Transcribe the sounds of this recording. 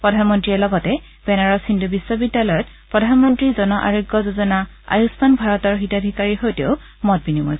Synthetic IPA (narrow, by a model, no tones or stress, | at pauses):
pɹɔdʱanmɔntɹiɛlɔɡɔtɛ | b̥ɛnaɹɔsindubisːɔbidːalɔjɔt̚ | pɹɔdʱanmɔntɹizɔnɔʔa̰ɹoɡːɔzozɔna | a̰jusmanbʱaɹɔtɔɹxitadʱikaɹiɦojteʊ | mɔt̚binimɔ̰jz